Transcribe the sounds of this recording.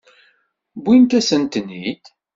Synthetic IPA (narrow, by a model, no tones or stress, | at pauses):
bʷint̪æsənt̪nit̪